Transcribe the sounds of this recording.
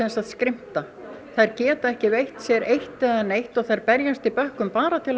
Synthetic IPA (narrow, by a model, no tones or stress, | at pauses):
ɛnsaðskɾɪm̥t̪a | θajɾcɛːt̪aɛhcɪvejht̪sjɛɾejht̪ːɛðanːejht̪ɔɣθajɾpɛɾjast̪ɪpœhkʏmpaːɾat̪ʰɪl